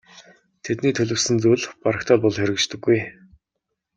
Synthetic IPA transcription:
t̪ʰet̪niːt̪ʰɵɮɵ̆wsɘ̆nt͡suːɮpaɾə̆kt̪ʰaːɮpɔɮxeɾɘ̆kt͡ɕt̪ɵ̆ɡːuj

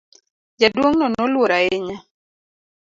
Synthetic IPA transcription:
d͡ʒadwoŋnɔnolwoɾaɪɲa

